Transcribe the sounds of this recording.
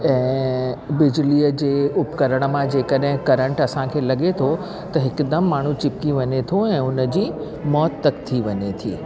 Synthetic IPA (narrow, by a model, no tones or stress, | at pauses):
ɛ̃ːbɪd͡ʑliːəd͡ʑeːʊpkɐɾəɽ̃əmãd͡ʑeːkəɗɦɪ̃kɐɾə̃ɳʈɐsãkʰeːlɐɠet̪ʰo | t̪ɐɦɪkd̪əmːaːɳ̤ũt͡ɕɪp̚kiʋɐɲet̪ʰoɛ̃ːʊnəd͡ʑiː | mɔːt̪ːɐkt̪ʰiʋɐɲet̪ʰiː